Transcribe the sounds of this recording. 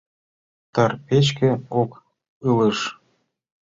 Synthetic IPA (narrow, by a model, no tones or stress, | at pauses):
t̪ɑrpet͡ɕkĕok | ɯlə̆ʃ